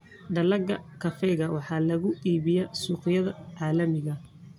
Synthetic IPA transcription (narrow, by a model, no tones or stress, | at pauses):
ɖɐlɐɡɐkʰɐfɛjɣɐwɑħɑːlɐɣʊiːβɪjɛsuːqɪjɐðɐʕɑːlɐmɪɣɐ